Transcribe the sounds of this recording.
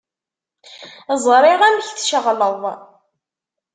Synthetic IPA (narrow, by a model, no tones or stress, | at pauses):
zˤɾˤɪʁæməçθʃəʁləðˤ